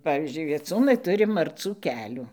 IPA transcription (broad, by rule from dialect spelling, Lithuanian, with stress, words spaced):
ˈpɑːʋʲiːzʲd͡ʒʲʊɪ ʋʲiɛˈt͡suːnɐɪ ˈtʊrʲɪ mɐrˈt͡suː ˈkʲæːlʲuː